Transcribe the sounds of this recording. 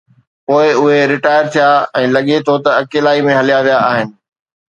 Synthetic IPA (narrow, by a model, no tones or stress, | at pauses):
poːɪʊɦeɾɪʈaːɪəɾt̪ʰijaɛ̃ːlɐɠet̪ʰot̪ɐɐkeːlaːimẽɦɐlijaʋijaaːɦɪnɪ̆